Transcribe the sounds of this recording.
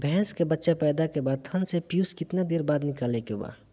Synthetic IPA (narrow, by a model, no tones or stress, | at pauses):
bʱɛɦskebətːʃapɛːd̪akebaːd̪̚t̪ʰənsepjuskɪt̪nad̪eːɾbaːd̪nɪkaːlekeba̰